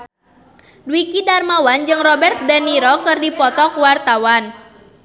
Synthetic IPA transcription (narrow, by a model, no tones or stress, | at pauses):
dwikidarmawand͡ʒɨŋrɔbɛrt̪̚dɛniɾɔkɨrdipɔt̪ɔkwart̪awan